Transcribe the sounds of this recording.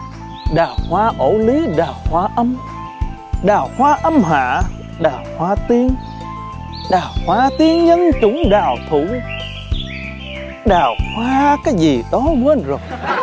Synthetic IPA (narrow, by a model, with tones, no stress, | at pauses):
ɗaː˨˩whwaː˧ʔo˧˩li˨˦ɗaː˨˩whwaː˧ʔə˧m | ɗaː˨˩whwaː˧ʔə˧mɦa̰ː˧˨ | ɗaː˨˩whwaː˧t̪i˧əŋ | ɗaː˨˩whwaː˧t̪i˧əŋɲə˧nt͡ɕʊ˧˦ŋ͡mɗaː˨˩wt̪ʰu˧˩˦ | ɗaː˨˩whwaː˧kaː˨˦jzi˨˩t̪ɔ˨˦mwe˧nzo˨˩j